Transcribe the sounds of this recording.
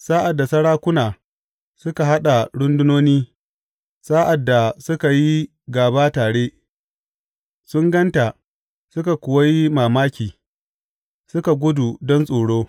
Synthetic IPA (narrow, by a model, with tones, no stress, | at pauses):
saː˦ʔa˨dːa˨sɐ˦ɽaː˦kʷʊ˦naː˨ | sʊ˦ka˨ɦa˦ɗa˨ɽʊ˦ndʊ˦noː˦niː˦ | saː˦ʔa˨dːa˨sʊ˦ka˨ji˦ | ɡaː˨baː˦taː˨ɽeː˦ | sʊ˦ŋɡɐ˦nta˨ | sʊ˦ka˨kʷʊ˨wa˦ji˦maː˨maː˦kʲiː˨ | sʊ˦ka˨ɡʷʊ˦du˨dɔ˦nsʼoː˨ɽoː˦